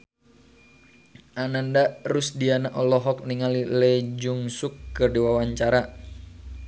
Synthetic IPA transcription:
ʔanandarʊsdianaʔɔlɔɦɔk̚niŋalilɛd͡ʒuŋsukːɨrdiwawaɲt͡ʃaɾa

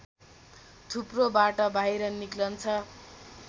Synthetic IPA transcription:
t̪ʰuprobaʈʌbʱajɾʌniklʌnt͡sʰʌ

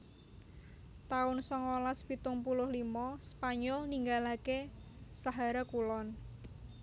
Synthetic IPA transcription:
t̪aʊnsɔŋolaspit̪ʊŋpulʊhlimɔspaɲɔlniŋɡalake | saɦaɾakulɔn

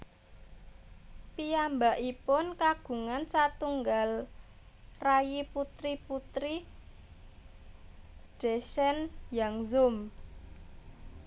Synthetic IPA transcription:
piambaʔipʊnkaɡ̥ṳŋansat̪uŋɡal | rajiput̪ɾiput̪ɾi | d͡ʒ̥ɛsɛnjaŋzʊm

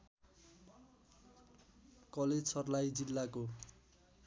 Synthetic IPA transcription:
kʌled͡zsʰʌrlajd͡zilːako

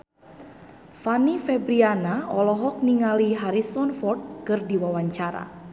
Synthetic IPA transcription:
fanifɛbɾianaɔlɔɦɔk̚niŋaliɦaɾisɔnfɔrt̪̚kɨrdiwawaɲt͡ʃaɾa̰

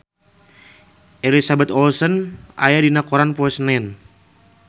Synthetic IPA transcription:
ʔɛlisabɛt̪ɔlsɔnʔa̰jadinakɔɾanpɔɛsnɛn

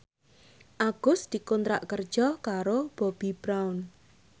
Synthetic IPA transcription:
ʔaɡ̥ʊ̤sd̪̥i̤kɔnt̪ɾa̰ʔkərd̥ʒ̥ɔkaɾob̥ɔb̥ib̥ɾawn

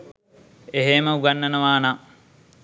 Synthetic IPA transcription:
eɦeməuɡanːənəʋaːna

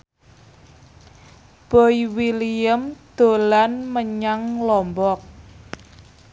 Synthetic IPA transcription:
b̥oiwiliəmd̪̥o̤lanməɲaŋlɔmbɔk̚

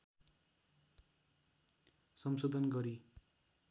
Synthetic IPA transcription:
sʌmsod̪ʱʌnɡʌɾi

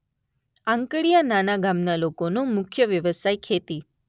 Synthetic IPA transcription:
ãŋkəɽijananaɡamnalokonõmʊkʰjəʋjəʋəsajkʰet̪i

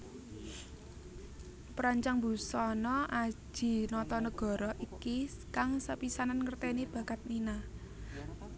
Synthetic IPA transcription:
pɾaɲt͡ʃaŋbṳsɔnɔʔḁʒ̥i̤nɔt̪ɔnəɡ̥ɔ̤ɾɔʔikiskaŋsəpisananŋərt̪ɛnib̥ä̤kat̪̚nina

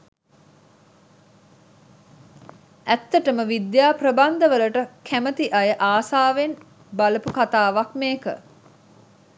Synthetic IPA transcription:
æt̪ːəʈəməʋid̪jaːprəband̪əʋələʈəkʰæmət̪iʔajəʔaːsaːʋen | baləpukat̪aːʋakmeːkə̰

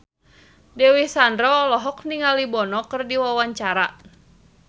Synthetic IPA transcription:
dɛwihsandɾɔlɔɦɔk̚niŋalibɔnɔkɨrdiwawaɲt͡ʃaɾa

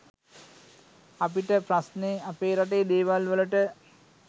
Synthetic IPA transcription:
apiʈəpɾasneapeːɾaʈ̬ejd̪eːʋalʋələʈə

